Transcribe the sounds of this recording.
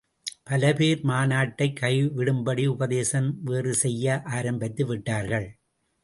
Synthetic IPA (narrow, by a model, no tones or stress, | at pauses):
pɐlɐpeːɾmaːnaːʈːɐɪkʰːɐɪʋɪɽɯmbɐɽiʊbɐðeːsɐmʋeːrɯsɛjːɐʔaːɾɐmbɐt̪ːɯʋɪʈːaːɾɣɐɭ